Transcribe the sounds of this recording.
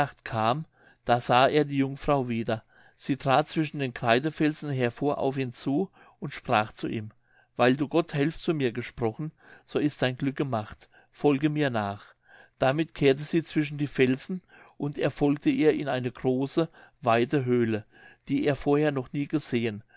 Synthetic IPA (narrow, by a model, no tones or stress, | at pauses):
aχtkʰaːm | d̥aːz̥aːʔeːɐdiːjʊŋfʁ̥aʊviːdɐ | z̥iːtʁ̥aːt̚t͡sv̥ɪʃn̩deːnkʁ̥aɪdəfɛlzn̩ɦeɐfoːɐʔa̰ʊfiːnt͡suː | ʊntʃpʁ̥aːχt͡suʔḭːm | vaɪlduːɡɔthɛlfst͡suːmiːɐɡəʃpʁ̥ɔχn̩ | z̥oːɪst̚d̥aɪnɡlʏk̚ɡ̥əmaχt | fɔlɡəmiːɐnaːχ | d̥amɪtkʰeːɐtəz̥iːt͡sv̥ɪʃ̬n̩diːfɛlzn̩ | ʔʊnteɐfɔlk̚təʔiːɐʔɪnaɪnəɡʁoːsəvaɪtəɦøːlə | d̥iːʔeːɐfoːɐheːɐnɔχniːɡəzeːən